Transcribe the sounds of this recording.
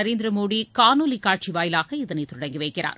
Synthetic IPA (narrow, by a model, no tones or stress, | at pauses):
ɐɾeːnd̪ɪɾɐmoːɽikaːnoːlikaːʈ̚t͡ʃiʋaːjɪlaːɣɐɪðɐnɐɪt̪ʊɽɐŋɡɪʋɐɪkːɪra̰ːɾ